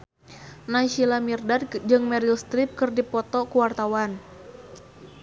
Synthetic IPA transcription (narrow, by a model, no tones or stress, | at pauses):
naʃilamirdard͡ʒɨŋmɛɾiust̪ɾɪp̚kɨrdipɔt̪ɔkuwart̪awan